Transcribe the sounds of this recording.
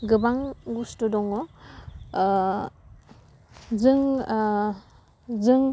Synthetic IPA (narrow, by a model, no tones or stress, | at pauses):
ɡɯbaŋɡustudɔŋɔ | zɯŋ | zɯŋ